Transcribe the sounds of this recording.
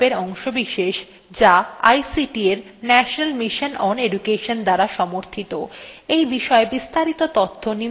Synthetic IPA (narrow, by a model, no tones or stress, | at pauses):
eɾɔŋʃobiʃeʃ | d͡ʑaa̰jsiʈieɾ | nɛʃonalmiʃonɔneɖukeʃond̪aɾaʃɔmoɾt̪ʰit̪oejbiʃɔebist̪aɾit̪ot̪ot̪ʰːoni